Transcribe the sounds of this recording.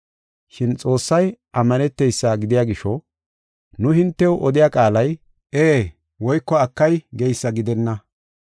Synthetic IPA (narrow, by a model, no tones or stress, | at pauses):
ʃɪnt͡sʼo̞ːsːɐjʔɐmːɐnɛt̪ːɛjsːaːɡɪd̪ɪjaːɡɪʃɔ | nʊhɪnt̪ːɛwʔɔd̪ɪjakʼaːlɐj | ʔeː | wɔjkːɔɐkːɐjɡɛjsːɐɡɪd̪ɛnːɐ